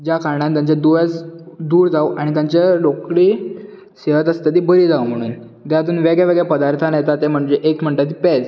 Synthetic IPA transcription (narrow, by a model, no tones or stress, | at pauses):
d͡ʑjakaɾɳant̪jaɲt͡ɕad̪uʋat͡sd̪uːɾd͡zauaɽ̃it̪jaɲt͡ɕalokɽiː | seʋət̪əst̪at̪iːbəɾiːd͡zaum̤əɽ̃uːn | t̪jat̪̬uːnʋeɡɭjaʋeɡɭjapəd̪aɾt̪ʰanjet̪at̪em̤əɳd͡ʑeʔekm̤əɳʈat̪̬iːpɛd͡z